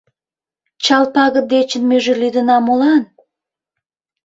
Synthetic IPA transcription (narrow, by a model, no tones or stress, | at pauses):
t͡ɕɑlpɑɣəd̪et͡ɕənmøʒĕlyd̪ə̆nɑmolɑn